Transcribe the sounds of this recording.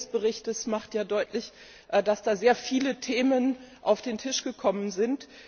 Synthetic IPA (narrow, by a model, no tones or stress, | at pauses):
sb̥əʁ̞ɪçtəsmaχtjaːdɔʏtʰlɪç | ʔd̥asd̥aːzeːɐfiːlətʰeːmənʔaʊfd̥eːntʰɪʃɡ̥əkʰɔmənzɪnt